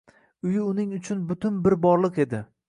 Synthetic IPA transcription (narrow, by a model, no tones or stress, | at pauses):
ʊjɪʊnɪŋʊt͡ʃʰʊnbʊt̪ʰʊnbɪɾbɒɾlˠɨqe̞d̪ɪ